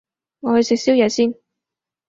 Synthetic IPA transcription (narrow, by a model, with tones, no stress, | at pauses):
ŋɔː˨˧hɵ˨jsɪ˨k̚si˥wjɛː˨˧siː˥n